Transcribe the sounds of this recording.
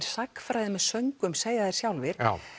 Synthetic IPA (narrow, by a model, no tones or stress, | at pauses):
ɾ̥sakfɾajðɪmɛðsœɥŋkʏmseːjðaðɛɾ̥sjawlvɪɾ̥a̰